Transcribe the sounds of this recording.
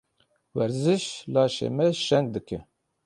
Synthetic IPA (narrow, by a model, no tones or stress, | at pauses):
wɛɾzɨʃlɑːʃḛːmɛʃɛnɡ̚d̪ɨkɛ